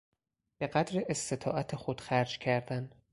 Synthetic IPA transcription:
b̥eɢæd̪ɾeʔest̪e̞t̪ʰɒ̰ːʔæt̪ʰexod̪̥xæɾd͡ʒcʰæɾd̪æn

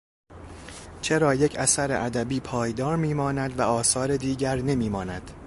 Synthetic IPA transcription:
t͡ʃʰe̞ɾɒːjecʰæsæɾḛʔæd̪æbiːpʰɒːjd̪ɒːɾmiːmɒːnæd̪væɒːsɒːɾed̪iːɟæɾne̞miːmɒːnæd̪̥

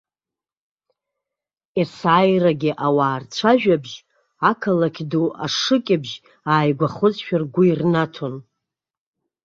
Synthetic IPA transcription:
esaːjraɡʲɪʔawaːrt͡ɕʷʰaʒᶣabʒ | akʰalakʲʰduʔa̰ʂɨkʲʼɪbʒ | aːjɡʷaχʊzʼʃᶣarɡʷʊirnatʰon

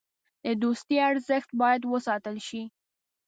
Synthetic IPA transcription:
d̪̥əd̪ost̪jiaɾzəxt̪̚bɑjad̪wəsɑt̪əlʃi

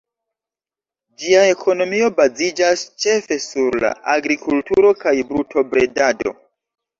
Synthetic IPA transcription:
d͡ʒiae̞kʰo̞no̞mio̞bazid͡ʒast͡ʃe̞fe̞suɾla̰aɡɾikʰultuɾo̞kajbɾutʰo̞bɾe̞dado̞̰

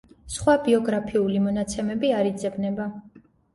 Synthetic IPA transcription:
sχwabiɔɡɾapʰiulimɔnat̪sʰɛmɛbiaɾid̪zɛbnɛba

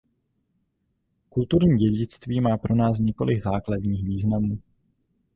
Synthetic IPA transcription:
kult̪uɾɲiːɟɛɟɪt͡st̪viːmaːpɾo̞naːs̬ɲɛko̞̰lʔɪɡzaːkladɲiːxviːznamuː

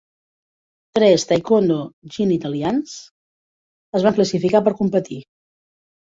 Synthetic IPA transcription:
t̪ɾɛst̪ajkond̪oʒinit̪əlians | əzβaŋkləsifikapəɾkumpət̪i

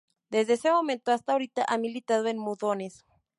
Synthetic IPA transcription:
d̪ezðeese̞mo̞mẽnt̪oast̪aoɾit̪aʔamilit̪aðoenmuðo̞ne̞s

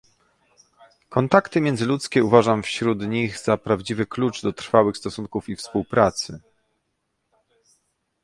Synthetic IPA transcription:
kɔnt̪akt̪ɘmʲjɛnd̪zɘlut̪skʲɛuvaʐamfɕɾud̪ɲiɣzapɾavd͡ʑivɘklud͡ʐd̪ɔt̪ɾfawɘxst̪ɔsuŋkufifspuwpɾat̪sɘ

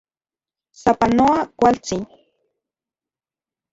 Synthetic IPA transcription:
sapanoakʷalt͡sin

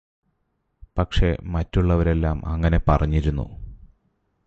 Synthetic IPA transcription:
pɐkʂe̞mɐtːuɭːɐʋɐɾe̞lːaːmɐ̰ŋːɐne̞pɐrɐɲːiɾunːṵ

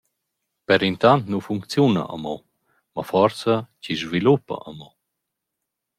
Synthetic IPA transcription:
pɛɾint̪ant̪nufuŋkt͡sjuna̰ʔa̰mɔ | mafɔɾt͡saciʒvilupa̰ʔəmɔ

